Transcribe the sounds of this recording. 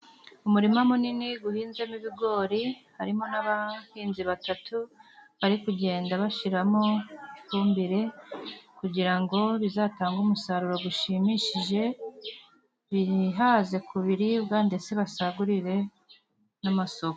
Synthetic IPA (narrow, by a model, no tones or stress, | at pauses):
umuɾimamuniniɡuhiːnzemiβiɡo̞ːɾihaɾimo̞naβahiːnziβatatuβaɾikuɟe̞ːndaβaʃiɾamo̞kumbeɾe̞kuɟiɾaŋɡo̞βizataːŋɡumusaɾuɾo̞ɡuʃimiʃiʒe̞ | βiɦaze̞kuβiɾibɡaːnde̞se̞βasaɡuɾiɾe̞ | namaso̞ko